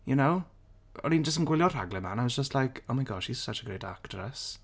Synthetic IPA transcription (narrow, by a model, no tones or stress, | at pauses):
jənow | ɔ̰nĩnd͡ʒəstənɡwɪlˠjɔr̥a̰ɡlˠɛmanajwɔzd͡ʒəstʰlˠajkʰɔmajɡɔʃhiz̥sat͡ʃəɡrḛjdaktrɛs